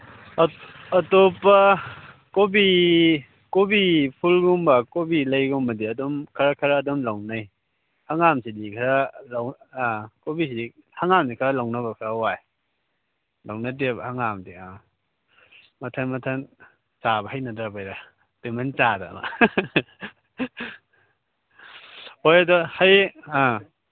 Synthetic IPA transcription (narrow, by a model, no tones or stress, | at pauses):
topːɐ | kobi | kobipʰulɡumbakobilajɡumbɐdiɐdɔmkʰɐɾakʰɐɾaːdɔmlawnaj | haŋamsidikʰɐɾalaw | kobisidi | haŋamdikʰaɾalawnɐbɐkʰɐɾawaj | lawnadebɐhaŋamdia | mɐtʰanmɐtʰan | t͡ʃabɐɦajnɐdɾabajɾa | d̥imant͡ʃada̰ma̰ | hojɐdɔhaja